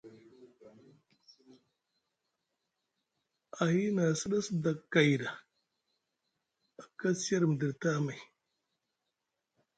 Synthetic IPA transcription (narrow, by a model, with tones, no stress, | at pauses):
a˨hi˦na˨si˦ɗa˦sda˨kːa˨jɾa˨ | a˨ka˦si˦ja˦ɾm˨di˨ɾta˦ma˨j